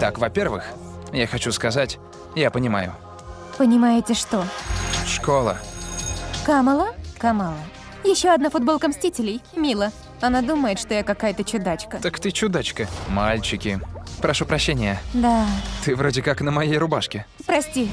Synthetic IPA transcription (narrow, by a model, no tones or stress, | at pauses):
t̪akvɐpʲervɨ̰x | jaxɐt͡ɕuskɐzatʲ | japənʲɪma̰jʊ̰ | pənʲɪmajɪtʲɪʂt̪oʂkolˠə̰ | kaməlˠəkamalˠə | jɪɕːoɐd̪nafʊd̪bo̞lˠkəmsʲtʲitʲɪlʲɪjmʲilˠə | ɐnad̪uməjɪt̪ʂt̪o̞jakɐkajət̪ət͡ɕʊd̪at͡ɕkət̪əkt̪ɨt͡ɕʊd̪at͡ɕkəmalʲt͡ɕɪkʲɪpɾʔɐʂupɾɐɕːenʲɪjəd̪at̪ɨvɾodʲɪkaknəmɐjejɾʊbaʂkʲɪpɾɐsʲtʲi